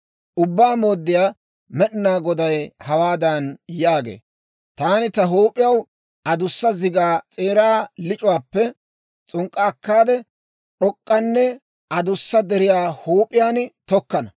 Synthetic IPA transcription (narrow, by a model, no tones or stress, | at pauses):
ʔʊbːaːmo̞ːd̪ːɪjaː | mɛɗɪnaːɡɔd̪ɐjhɐwaːd̪ɐnjaːɡḛː | t̪aːnɪt̪ɐɦoːpʼːɪjɐw | ɐd̪ʊsːɐzɪɡaːt͡sʼe̞ːɾaːlɪt͡ʃʼʊwaːpːɛ | t͡sʼʊŋkʼːɐːkːaːd̪ɛ | ɗɔkʼːɐnːɛ | ʔɐd̪ʊsːɐd̪ɛɾɪjaːhoːpʼːɪjaːnt̪ɔkːɐnɐ